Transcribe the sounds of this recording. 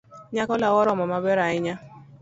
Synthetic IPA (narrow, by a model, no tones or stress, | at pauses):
ɲakɔlawɔɾɔmɔmabɛɾaɪɲa